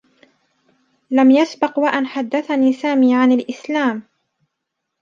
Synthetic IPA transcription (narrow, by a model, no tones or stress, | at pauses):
lamjasbɪqwaʔanħad̪ːaθaniːsaːmiːʕanalʔɪslaːm